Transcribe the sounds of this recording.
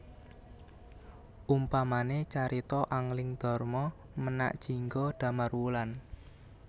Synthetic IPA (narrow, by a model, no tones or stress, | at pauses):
ʔumpamanet͡ʃaɾit̪ɔʔaŋlɪŋd̪̥ɔ̤rmɔ | məna̰ʔd̥ʒ̥i̤ŋɡɔd̥a̤marwulan